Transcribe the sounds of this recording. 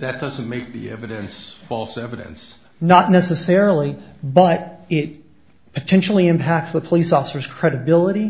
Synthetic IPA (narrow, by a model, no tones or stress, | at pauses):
ðɨt̚d̥ʌz̃n̩meɪk̚ðḭɛ̰vɨɾɨ̃nsfɔlˠsɛvɨɾɨ̰̃ns | nətⁿnɛsɨsɛɹl̩ˠibʌɾɪt̚ | pʰɨtʰɛ̃nʃl̩ˠiɨ̃mpʰæk̚tsðəpʰəlisɔfə̥sə˞z̥kʰɹ̥ɛɾɨbɪlˠəɾi